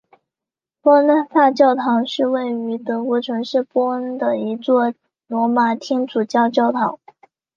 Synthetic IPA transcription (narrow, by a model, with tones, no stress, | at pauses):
pwɔ˥n˥˧t̪a˥˧t͡ɕjɑ˥˩ʊt̪ʰɑ˧˥ŋʂɻ̩˥˧we˥˩ɪy˧˥t̪ɤ˧˥u˧˥˩ʈ͡ʂʰwə˧˥ŋʂɻ̩˥˩pwɔ˥ə˥nd̪ə˧˨i˧˥t͡swɔ˥˩ | lwɔ˧˥ma˨˩t̪ʰi˥ŋt͡su˨˩t͡ɕjɑ˥˧ʊt͡ɕjɑ˥˩ʊt̪ʰɑ˧˥ŋ